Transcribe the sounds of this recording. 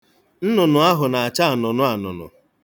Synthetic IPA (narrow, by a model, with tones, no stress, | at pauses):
n̩˦nʊ˨nʊ˨a˦ɦʊ˨na˨a˨t͡ʃa˦a˨nʊ˨nʊ˦a˨nʊ̰˨nʊ̰˨